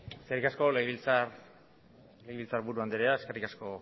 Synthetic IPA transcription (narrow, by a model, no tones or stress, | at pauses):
skerikasko̞leɣβilt͡saɾ | leɣiβilt͡saɾbuɾuand̪eɾeae̞ske̞rikasko̞